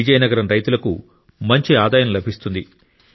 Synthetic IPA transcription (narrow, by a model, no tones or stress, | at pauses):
id͡ʒɐjnɐɡɐɾɐmɾɐjt̪ulɐku | mɐɲt͡ʃiaːd̪aːjɐmlɐbʱist̪und̪i